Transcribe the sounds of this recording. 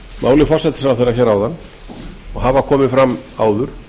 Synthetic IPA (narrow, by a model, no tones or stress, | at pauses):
maːwlɪfasɛt̪ɪ̥sɾawθejɾaçɛːɾawðanː | ɔɣɦavakʰɔːmɪfɾamaːwðʏɾ̥